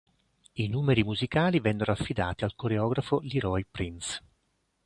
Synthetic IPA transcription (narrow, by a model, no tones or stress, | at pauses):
inuːmeɾimuzikaːlivɛnːeɾoafːid̪a̰ːt̪ialkoɾeɔːɡɾafoliɾɔjpɾins